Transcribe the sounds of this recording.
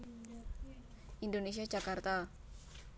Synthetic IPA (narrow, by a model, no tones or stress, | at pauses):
ʔind̪ones̬iḁd͡ʒakart̪a